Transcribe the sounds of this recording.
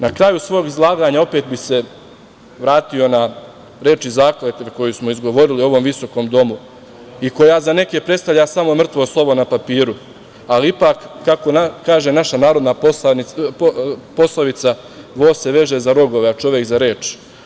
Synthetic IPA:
nakɾajusʋo̞ːɡizlˠaːɡaːɲao̞pet̪̚bise̞ | ʋɾaːt̪io̞na | ɾe̞ːt͡ʃizaːkleːt̪eko̞jusmo̞izɡo̞ʋo̞ɾilio̞ʋo̞mʋiso̞ko̞ːmd̪o̞mu | iko̞jazane̞ke̞pɾest̪aʋʎʲasamomr̩t̪ʋoslˠo̞ʋo̞napapiːɾu | aliipaːkːako̞nakaːʒenaʃanaːɾo̞d̪nao | po̞slˠoʋit̪sa | ʋoːse̞ʋe̞ʒezaɾo̞ɡo̞ʋeat͡ʃo̞ʋjekzaɾe̞ːt͡ʃ

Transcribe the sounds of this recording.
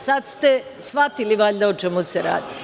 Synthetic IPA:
sad̪st̪esʋat̪iliʋaʎʲd̪aot͡ʃemuseɾa̰ːd̪i

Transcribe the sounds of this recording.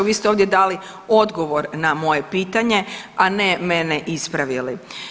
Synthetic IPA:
ʋiːst̪ɛoːʋd̪jed̪aːli | o̞d̪ɡo̞ʋo̞ɾnamo̞je̞piːt̪aɲe̞anemeneʔispɾaʋili

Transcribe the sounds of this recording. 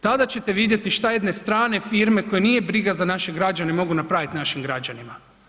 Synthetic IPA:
t̪ad̪at͡ɕe̞t̪e̞ʋid̪je̞t̪iʃt̪ajed̪ne̞st̪ɾaːne̞fiːɾme̞ko̞jenijebɾiɡazanaʃe̞ɡɾad͡ʒanemo̞ɡunapɾaʋit̪naʃimɡɾad͡ʒanima

